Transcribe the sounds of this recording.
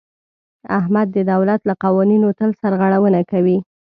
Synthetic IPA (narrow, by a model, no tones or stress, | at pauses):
ahmad̪ːəd̪awlat̪laqɑwɑninot̪əlsaɾɣaɽawənakawi